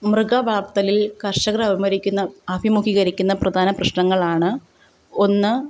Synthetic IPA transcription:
mrɨɡaʋaːrt̪ɐlilkɐrʂɐɣɾɐʋimɐɾikʲːunːɐɐbimukiɣɐɾikʲːunːɐprɐd̪ʱaːnɐprɐɕɳɐŋːɐɭaːɳɨ | o̞nːɨ

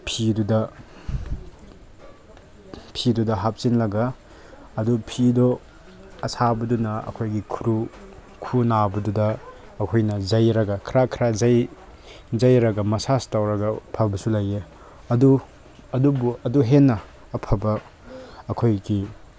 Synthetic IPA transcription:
pʰidudɐ | pʰidudɐɦap̚sinlɐɡɐː | dupʰido | ɐsabɐdunɐɐ̰kʰojɡikʰuɾu | kʰunabɐdudɐː | kʰojnɐzɐjɾɐɡɐkʰɾakʰɾazɐj | zɐjɾɐɡɐmɐsastawɾɐɡɐpʰɐbɐsulɐje | ɐdu | ɐdubuɐduɦenːɐː | pʰɐbɐ | ɐkʰojɡi

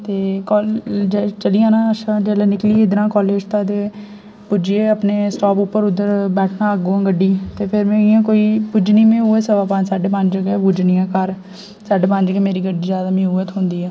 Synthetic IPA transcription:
t̪eːkɔːd͡ʒt͡ʃəlijãːnãːəʃãːd͡ʒɛːlɛːnɪkliːeːɪd̪ɾãːkɔːleːd͡ʒt̪ãːt̪eː | pʊd͡ʒieːəpneːsʈɔːpʊpːəɾʊd̪əɾbɛːʈʰnãːəɡoːãːɡəɖːiːt̪eːpʰɪɾmẽːijãːkoːiːpʊd͡ʒnĩːmẽːuːəsəʋaːpãsaːɖeːpəɲd͡ʒd͡ʒəɡɛːbʊd͡ʒnɪjãːkəɾ | saːɖeːpə̃d͡ʒəɡɛːmeːɾiːɡəɖiːzjaːd̪aːmĩuːət̪ɦʊ̃nd̪iːɛː

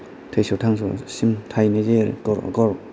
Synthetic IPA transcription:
tʰejsowtʰaŋsɔ̰simtʰajnezekɔɾ̰ɡɔɾ

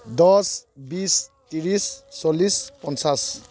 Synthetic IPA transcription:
d̪ɔsbist̪iɾisːɔlispɔnsas

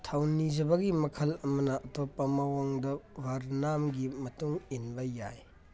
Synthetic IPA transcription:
tʰawnizɐbɐɡimɐkʰɐlɐmɐnɐʔɐtopːɐmawaŋdɐbʱaɾnamɡimɐtuŋinbɐja̰j

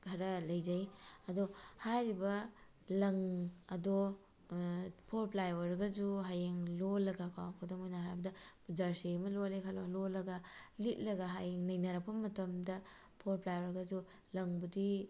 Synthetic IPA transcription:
ɡʱɐɾɐlɐjzɐjɐdohajɾibɐ | lɐŋɐdo | pʰoɾplajwɐɾɡɐd͡ʒuɦajeŋlolɐɡakʰa̰wkʰodɐmojnɐɦaɾbɐdɐpud͡ʒaɾsemɐlolekʰalololɐɡɐlit̚lɐɡɐɦajeŋnɐjnɐɾɐk̚pʰɐmɐtɐmdɐ | pʰoɾplajwɐɾɡɐd͡ʒu | lɐŋbudi

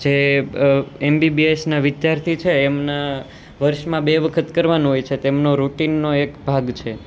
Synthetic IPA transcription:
d͡ʒe | embibiesnaʋɪd̪jaɾt̪ʰit͡ʃʰeːmna | ʋəɾʃmãbeʋəkʰət̪kəɾʋanũɦojt͡ʃʰet̪emnoɾuʈinːoekbʱaɡt͡ʃʰe

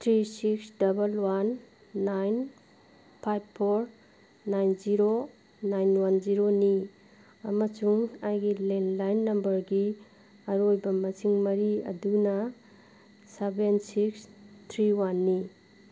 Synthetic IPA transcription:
tʰɾisiksdɐbɐlwanː | ajn | pʰajbʰoɾ | najnziɾo | najnwanziɾoni | ɐmɐsuŋajɡilenlajnːɐmbɐɾɡi | ɐɾojbɐmɐsiŋmɐɾiɐ̰dunɐ | sebensikstʰɾiwanːi

